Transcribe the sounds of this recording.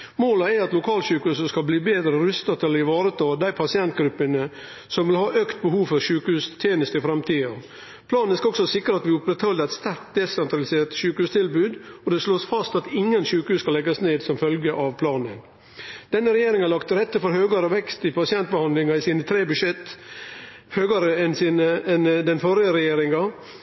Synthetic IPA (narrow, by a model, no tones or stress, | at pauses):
moːlɑæɑt̪lʊkʰɑːlɕʉːkʉːsəskɑlbliːbeːd̪ɾəɾʉst̪ɑt̪ʰɪlːəɾɪʋɑːɾət̪ʰɑːd̪æɪpʰɑsɪɛnt̪ɡɾʉpːənə | sɔmʋɪlhɑːʔøkt̪̚bəhuːʋfɔɾʂʉːkəʉːst̪ʰeːnəst̪ɪfɾɛmt̪ʰiːɑ | pʰlɑːnnəskɑɔksɔsɪkːɾəɑt̪ʋɪʊpɾɛt̪hɔlːəɾæɪt̪st̪æɾkt̪̚d̪ɛsɛnt̪ɾɑlɪseːʈ̪ʃʉːkəhʉːst̪ʰɪlbʉːd̪ɔd̪ɛsloːsfɑst̪ɑt̪ɪŋːənʃʉːkəhʉːskɑlɛɡɑsneːd̪sɔmfœlɡəʔɑʋpʰlɑːnən | d̪̥ɛnːəɾɛjeːɾɪŋɑɭɑkt̪ɾɛt̪ːəfɔɾhøːɡɑɾəʋɛkst̪ɪpʰɑsɪɛnt̪̚bəhɑnd̪lɪŋɑɪsiːnət̪ʰɾeːbʉʂɛt̪ː | høːɡɑɾəɛnsinəɛnd̪ɛnfɔɾɪəɾɛjeːɾɪŋɑ